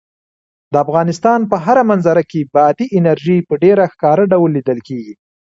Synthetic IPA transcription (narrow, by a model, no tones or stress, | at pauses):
d̪əafɣɑnɪst̪ɑnpəɦaɾamanzaɾakebɑt̪iʔɪnaɾʒipəɖeɾaxkɑɾəɖawlːid̪əlkeɡi